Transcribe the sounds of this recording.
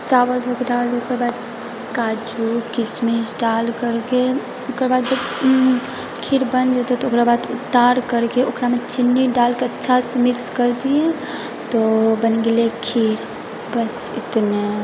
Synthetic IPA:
t͡ʃabəld̪ʱokeɖald̪eokeɾbad̪̚ | kaːd͡ʒukɪsmisɖalkəɾke | okəɾbaːd̪d͡ʒəb | kʰiɾbənd͡ʒət̪ot̪ɔokɾabad̪ʊt̪ːaɾkəɾkeoːkɾamet͡ʃinːiɖalkeətːʃʰasemɪkskəɾd̪iẽ | t̪obənɡelekʰiɾ | bəs | ɪt̪ne

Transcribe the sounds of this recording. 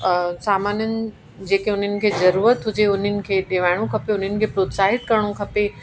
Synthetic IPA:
saːmaːnjənɪ̆ | d͡ʑeːkeʊn̤ənɪ̆kʰeːzɐɾuːɾət̪ɦʊd͡ʑeʊn̤ənɪ̆kʰeːɗeːʋaːɪɽ̃õkʰɐpeʊn̤ənɪ̆kʰeːpɾoːt̪saːɦɪt̪kɐɾəɽ̃okʰɐpe

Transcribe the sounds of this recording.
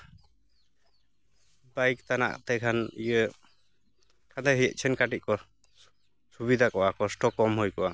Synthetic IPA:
bajkt̪ana̰ʔt̪ɛkʰanijə | kʰad̪ɛɦijə̰ʔ̚t͡ʃʰɛnkaʈiʔ̚kɔ | subid̪ʱakɔʔakɔsʈɔkɔmɦujkɔʔa

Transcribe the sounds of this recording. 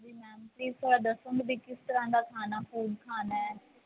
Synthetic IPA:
d̪iːmɛːmpliːsəd̪əsəŋɡb̪iːkɪst̪əɾãːd̪aːkʰaːnaːfuːɖkʰaːnaːɛː

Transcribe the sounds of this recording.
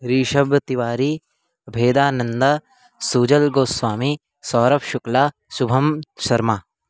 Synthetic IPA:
ɾiːʃɐbt̪iʋaːɾi | ɐbʱeːd̪aːnɐnd̪a | suːd͡ʒɐlɡoːswaːmi | sɔːɾɐpʃʊklaː | subʱɐmʃɐɾmaː

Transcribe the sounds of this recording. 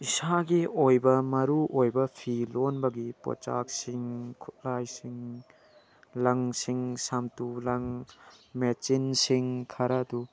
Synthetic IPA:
isaɡiojbɐmɐɾuʔojbɐpʰilonbɐɡipo̰t͡ʃa̰k̚siŋkʰu̥t̚lajsiŋ | lɐŋsiŋsamtulɐŋmet͡ʃinsiŋkʰaɾɐdu

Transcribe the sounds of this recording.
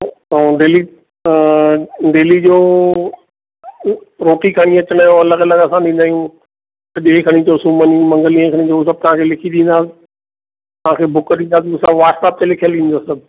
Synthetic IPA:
oɖeːli | ɖeːlid͡ʑoː | ɾoːʈikʰaːɽ̃ĩɐt͡ɕəɽ̃aːjõɐləɡɐləɡɐsãɗ̪ĩːnd̪aːijũ | t̪ɐʄeːkʰɐɽ̃ĩt̪oːsũmənĩmɐ̃ŋɡəlĩẽkʰəɽ̃ĩt̪oɦusɐb̚t̪ɐʋ̤ãkʰelɪkʰiɗ̪ĩːnd̪aːsɪ̥ | t̪ɐʋ̤ãkʰebʱʊkəɗ̪ĩːnd̪aːs̬ɪmʊ̃sãʋaːʈsaːp̚t̪elɪkʰijəlɗĩːn̆d̪oːsɐb

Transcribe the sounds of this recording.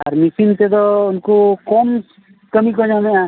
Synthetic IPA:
a̰ɾmisint̪ed̪ɔunkukɔms | kəmikɔɲɔnɛʔa

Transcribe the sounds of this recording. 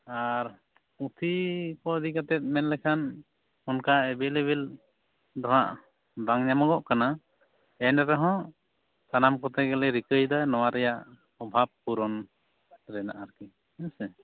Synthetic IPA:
aɾ | ut̪ʰikɔd̪ikat̪ɛt̪̚mɛnlɛkʰan | ɔnkaɛbɛleβɛl | d̪ɔɦa̰ʔ | d̪aŋɲamaɡɔʔkana | ɛnaɾaɦɔ̃ | sanamkɔt̪ɛɡɛlɛɾikəjd̪anɔwaɾɛjaʔ | ɔbʱab̚kuɾɔn | ɾɛna̰ʔaɾki | ɛnsɛ

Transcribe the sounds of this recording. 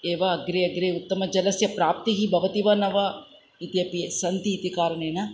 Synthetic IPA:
eːʋɐɐɡɾeːɐɡɾeːut̪ːɐmɐd͡ʒɐlɐsjɐpɾaːp̚t̪iɦibʱɐʋɐt̪iʋɐnɐʋɐ | it̪jɐpiesɐnt̪iːt̪ikaːɾɐɳeːnɐ

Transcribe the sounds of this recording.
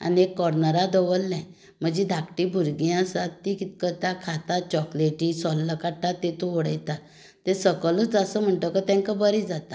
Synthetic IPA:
a̰niekːɔɾnəɾad̪əʋəlnɛ̃ | m̤əd͡ʑid̪ʱakʈibʱuɾɡjãsat̪ːikit̪̚kət̪akʰat̪at͡ɕɔkleʈiːsɔlːəkaʈːat̪ːet̪uʋɔɽəjt̪a | t̪esəkələd͡zəsəm̤əɳʈəkət̪ɛ̃ŋkabəɾid͡zat̪a

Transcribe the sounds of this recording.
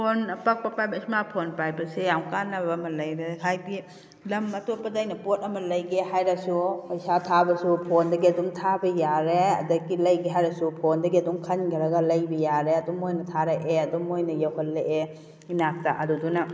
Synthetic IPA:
ppʰonpak̚pɐpajbɐismapʰonpajbɐsejawkanːɐbɐːmɐlɐjɾeɦajɡi | lɐmɐtopːɐdajnɐpot̚ɐmɐlɐjɡehajɾɐsuɐjsatʰabɐsupʰondɐɡiɐdumtʰabɐjaɾeɐ̰dɐɡilɐjɡeɦajɾɐsupʰondɐɡiɐdumkʰɐnɡɐɾɐɡɐlɐjbɐjaɾeɐdumojnɐtʰaɾɐʔeɐdumojnɐjɐwhɐtleʔe | inak̚tɐʔɐdudunɐ

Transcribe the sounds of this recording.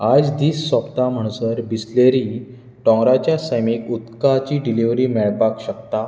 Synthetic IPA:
ad͡zd̪iːsːɔpt̪am̤əɳ̃səɾbisleɾi | ʈɔ̃ŋɡɾat͡ɕjasəjmikut̪kat͡ɕiːɖiliʋɾiːmɛɭpakɕəkt̪a

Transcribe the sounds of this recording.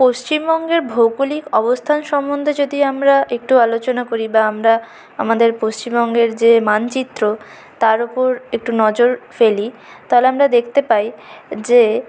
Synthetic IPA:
post͡ɕimbɔŋɡeɾbʱowkulikɔbost̪ʰanʃɔmːond̪ʱed͡ʑod̪iamɾaek̚ʈualot͡ɕonakoɾibaamɾa | amad̪eɾpost͡ɕimbɔŋɡeɾd͡ʑemant͡ɕit̪ːɾo | t̪aɾupoɾek̚ʈunɔd͡ʑoɾfeli | t̪aɦeleamɾad̪ek̚ʰt̪epajd͡ʑe

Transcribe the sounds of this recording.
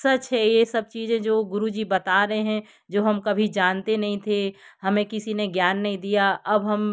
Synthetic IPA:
sɐt͡ʃɦɛjesɐb̚t͡ʃiːzẽd͡ʒoːɡʊɾud͡ʒiːbɐt̪aɾɐɦeɦɛ̃ | d͡ʒoːɦɐmkɐbʱid͡ʒaːnt̪enɐɦĩt̪ʰehɐmẽkɪsineɡjaːnːɐɦĩd̪ijaʔɐbɦɐm

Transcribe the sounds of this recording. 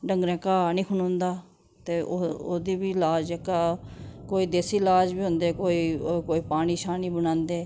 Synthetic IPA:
ɖəŋɡɾɛ̃ːkaːnĩːkʰʊnõːnd̪aː | t̪eːoo̰ːd̪iːbiːlaːd͡ʒɛːkaːkoːiːd̪eːsiːlaːd͡ʒbiːɦʊ̃nd̪eːkoːiːkoːiːpaːñiːʃaːniːbənãːnd̪eː

